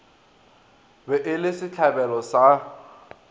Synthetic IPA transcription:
bɛʔɪlɪsɪt͡ɬʰabɛlɔsa

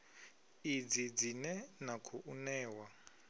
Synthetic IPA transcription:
id͡zid͡zinɛnakʰuʔunɛːwa

